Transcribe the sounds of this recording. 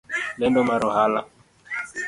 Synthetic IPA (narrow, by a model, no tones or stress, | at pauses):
bɛndɔmaɾʊɦala̰